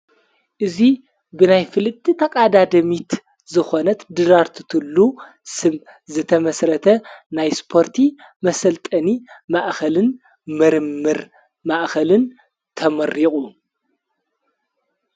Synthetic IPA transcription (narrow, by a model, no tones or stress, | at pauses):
ʔɨzi | bɨnajfɨlɨt̪ʰːit̪ʰɐkʼad̪ad̪ɐmit̪ | zɨxo̞nɐt̪d̪ɨɾaɾt̪ʰɨ̥t̪ʰɨlːu | sɨm | zɨt̪ʰɐmɐsɾɐt̪ʰɐnajspʰo̞ɾt̪ʰi | mɐsɐlt̪ʼɐnimaʔxɐlɨn | mɨɾɨmːɨɾ | maʔxɐlɨn | t̪ʰɐmɐɾːiχʼu